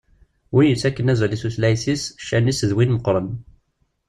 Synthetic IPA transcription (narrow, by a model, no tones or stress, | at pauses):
wijəsækːənæzlisuθlæjθisʃːænisəðwinməqɾˤən